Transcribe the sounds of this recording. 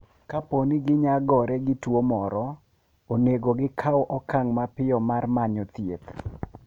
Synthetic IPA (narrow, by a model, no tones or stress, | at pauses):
kaponɪɡɪɲaɡɔɾɛɡɪtwomɔɾɔ | oneɡoɡɪkʰawʔɔkaŋmapɪɔmarmaɲɔt̪jḛt̪